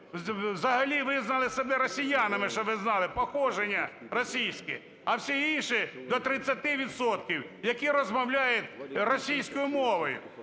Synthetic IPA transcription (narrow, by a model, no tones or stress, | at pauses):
wzɐɦɐlʲiʋɪznɐlˠɪsebɛɾɔsʲijanɐmɪʃt͡ʃɔʋɪznɑlˠɪpɔxɔʒenʲːɐ | rɔsʲijsʲkɪ | ɐwsʲiinʃɪd̪ɔt̪ɾɪt͡sʲːɐt̪ɪʋʲid̪sɔt̪̚kʲiwjɐkiɾɔzmɐwlʲajɛt̪ʲrɔsʲijsʲkɔjʊmɔʋɔjʊ̰